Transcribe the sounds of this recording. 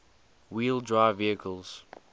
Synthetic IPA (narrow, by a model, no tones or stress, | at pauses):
wiːldɹaɪviəkʰəlˠz̥